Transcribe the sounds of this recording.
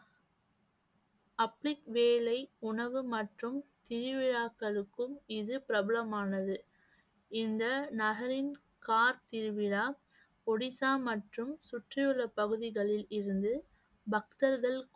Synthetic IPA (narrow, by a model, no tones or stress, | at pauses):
ɐpɭɪkʋeːlɐɪʊɳɐʋɯmɐʈrɯmt̪ɪɾɯʋɪɻaːkːɐɭɯkːɯmɪðɯpɪɾɐbɐlɐmaːnɐðɯ | ɪnd̪ɐnɐɣɐɾɪn | kaːɾt̪ɪɾɯʋɪɻaː | ɔɽɪsaːmɐʈrɯmsʊʈrɪjɯɭːɐpɐɣɯðɪɣɐɭɪlɪɾɯnd̪ɯ | bɐk̚t̪ɐɾɣɐɭ